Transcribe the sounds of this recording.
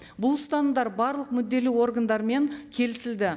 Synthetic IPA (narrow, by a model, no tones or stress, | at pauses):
bʊlˠst̪ɑnəd̪ɑɾbɑɾlˠəqmʏd̪ːe̞lɪwo̞rɡand̪ɑɾme̞ŋkʲʰe̞lɪsɪld̪ɪ